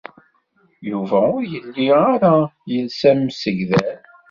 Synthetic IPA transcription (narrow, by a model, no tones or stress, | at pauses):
juvæʊɾjəlːiaɾajəlsæmsəʝðæ